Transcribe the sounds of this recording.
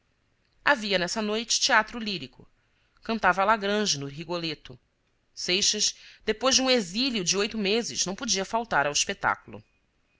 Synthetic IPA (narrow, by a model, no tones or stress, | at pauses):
a̰viɐnɛsɐnojt͡ʃɪ̥t͡ʃiat̪ɾʊliɾikʊ̰ | kɐ̃nt̪avɐalaɡɾɐ̃d͡ʒɪnʊɦiɡolet̪ʊ | sejʃɐzd̪epojʒd͡ʒɪũeziljʊd͡ʒɪojt̪ʊmezɪz̥nɐ̃w̃pod͡ʒiɐfawt̪aɾɐwiʃpet̪a̰kulʊ̰